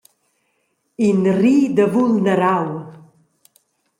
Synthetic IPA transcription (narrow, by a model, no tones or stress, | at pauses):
inriːd̪əvulnəɾaw